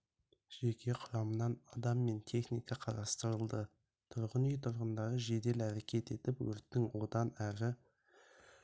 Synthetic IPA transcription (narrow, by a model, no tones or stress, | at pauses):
ʒ̥e̞kʲʰe̞qʰʊɾɑmənɑnɑd̪ɑmːe̞nt̪ʰe̞χnijkɑqʰɑɾɑst̪əɾəlˠd̪ə | t̪ʰʊɾʁənijt̪ʰʊɾʁənd̪ɑɾəʒe̞d̪e̞læɾekʲʰe̞t̪e̞t̪ɪpwɵ̰ɾt̪ːɪŋwo̞d̪ɑnæɾɪ